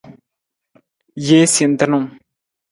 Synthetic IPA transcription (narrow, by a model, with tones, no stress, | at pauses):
je˦si˨nt̪ə˦no˨m